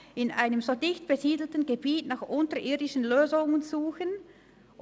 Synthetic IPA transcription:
ɪnʔaɪnəmzodɪçt̚b̥eziːdl̩tn̩ɡebiːtnaːxʔʊntɐʔiːɐdɪʃən̩løːzʊŋənzuːxən

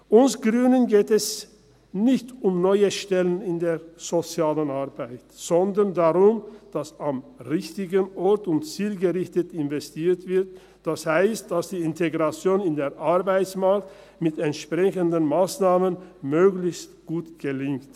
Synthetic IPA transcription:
ʔʊnsɡ̥ʁyːnənɡeːtɛs | nɪçtʊmnɔʏəʃtɛlənɪndeːz̥ot͡sjaːlənaɐbaɪtz̥ɔndəndaʁʊmd̥asamʁɪçtɪɡənʔɔɐtʊntt͡siːlɡəʁɪçtətɪnvɛstʰiːɐtv̥ɪɐt | d̥ashaɪstd̥asd̥iːɪntʰeɡʁat͡sjoːnɪndeːɐʔaɐbaɪt͡smaɐkt | mɪtɛntʃpʁ̥ɛçəndənmaːsnaːmənmøːɡlɪçstɡ̥uːtɡ̥əlɪŋkt

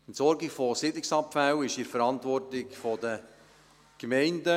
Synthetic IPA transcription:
nsɔɾɡɪkfɔsɪdlɪksɑpfæwɪʃɪɾfəɾɑntʋɔrtɪkfɔdə | kmɛɪndə

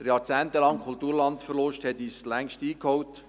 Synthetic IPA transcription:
əɾjɑːɾt͡sæːntəlɑŋkʰult̪uːɾlɑntfərlɔʃthɛtislæŋʃtiːkhowt

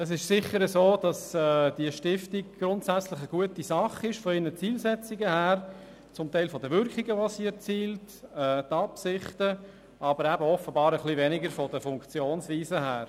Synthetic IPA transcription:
əs̬ɪʃsɪχːəɾəsoːd̥ɑsɛːd̥iəʃtɪftiɡ̚ɡ̥ɾʊntsæt͡slɪχəɡ̥uətisɑχɪʃfɔɪnnət͡siːlsɛt͡sɪɡəhæːɾ | t͡sʊmtæɪlfɔdəʋʏɾkiɡəʋosiːɛɾt͡siːlt | ɛːtɑpsɪχtə | ʔɑbəɾæbəɔfəbɑːɾəχlivɛnɪɡəɾfɔdəfʊŋkt͡sjoːnsviːzəhæːɾ

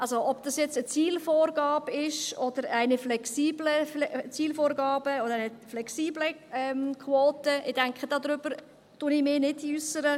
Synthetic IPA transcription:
ʔalzoʔɔbd̥ɑsjɛt͡sət͡siːlfoːrɡɑːb̥ɪʃɔd̥̪əɾæɪnəflɛksiːblət͡siːlfoːɾɡɑːbəɔdəɾaɪnəflɛksiːbləɛmkχwoːtəʔɪd̥ɛŋkχədɑːd̪ɾʏb̥əɾ | tʊnɪmɪnɪdysəɾə

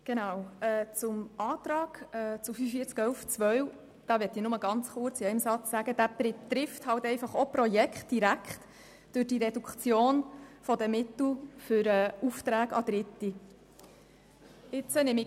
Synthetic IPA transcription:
ɡ̥enɑwɛːt͡sʊmɑːt̪ɾɑːɡ̥ɛːt͡sʊfyːfəfiət͡skœlft͡sʋœɥ | d̥ɑːʋɛtːiːnʊməɡɑnt͡sχʊɾt͡siɛɪmsɑt͡ssæɡəd̥æːpɪtɾɪfthɑwtɛɪfɑχopɾɔjɛkχt̚d̥iɾækχt | d̥ʉːd̥iɾɛdukχt͡sjoːnfɔdəmɪt̪l̩fʏɾɛːuft̪ɾæːɡ̥ɑ̰d̥̪ɾɪtːi | ɪt͡sənɪmɪ

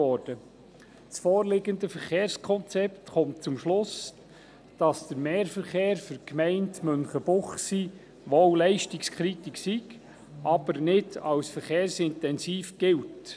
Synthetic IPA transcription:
ɔːɾd̥ə | t͡sfɔːɾlɪɡəndəfəɾχeːɾskʰɔnt͡sɛptχɔmtt͡sʊmʃlʊs | d̥ɑsd̥əɾmɛːɾfəɾχeːɾfʏɾkmɛɪntmɵnχəbʊχsi | ʋɔwlɛɪʃtikskʰχɾitiksiɡ | ʔɑb̥əɾnɪdɑwsfəɾχeːɾsɪntɛnsiːfɡ̥ɪlt

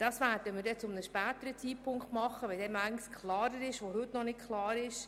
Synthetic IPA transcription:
d̥ɑsʋæɾdəmɪːɾdɛt͡sʊmnəʃpæːt̪əɾət͡siːpʰʊŋkχtmɑχːəʋɛldɛmæɪɡən̩skʰlɑːɾəɾɪʃʋohɵt̪nɔnɪtkʰlˠɑːɾɪʃ

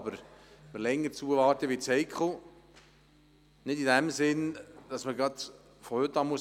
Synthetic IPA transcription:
bəɾməɾlɛŋːəɾt͡suːəvɑːɾtəʋit͡sɛɪkχo | nɪdidæmsɪnd̥ɑsməɡɾɑd | fɔhʏtːɑːmuəs

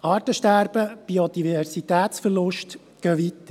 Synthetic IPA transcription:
ɑːrtəʃtæɾb̥əb̥iod̪ivɛrsit̪æːt̪sfərlʊʃt | ɡ̥œːʋit̪ːə

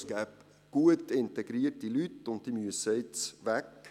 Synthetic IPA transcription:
sɡ̥æːp | ɡ̥uətɪnteɡɾiərtilytʊnt̚d̥imyəsɛɪtsvæk

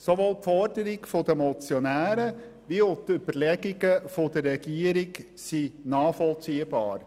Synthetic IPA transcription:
soʋoːlpfɔɾdəɾɪɡfod̪əmɔt͡sjonæːɾə | ʋiot̪ʏb̥əɾlɛɡɪɡəfod̥̪ərɛɡ̥iːəɾɪɡ | sinɑːfɔlt͡siːəbɑ̰ːɾ

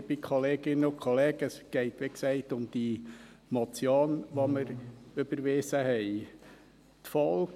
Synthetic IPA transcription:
b̥ikʰχɔleːɡ̥ɪnəʊkʰχɔleːɡ̥əsɡ̥ɛɪt̪ʋeksɛɪtʊmd̥i | mɔt͡sjoːnʋoməɾøb̥əɾʋɪːsəhɛɪ | t̪fɔl

